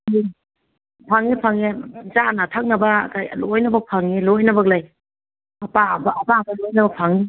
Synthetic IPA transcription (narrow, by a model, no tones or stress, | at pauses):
ŋi | pʰaŋipʰaŋezanatʰak̚nabakajlojnabapʰaŋilojnabaɡlaj | apabaːpabalojnabapʰaŋi